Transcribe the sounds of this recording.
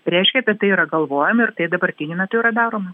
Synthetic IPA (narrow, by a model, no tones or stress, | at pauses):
pʲrʲɛɪʃʲkʲɛt̪ɐt̪ɐɪiɾɐɡɐlˠʋoːjɛmɪrt̪ɐɪd̪ɐbɐrʲt̪ʲɪnʲumʲæt̪ʊiːɾɐd̪ɑːɾoːmɐ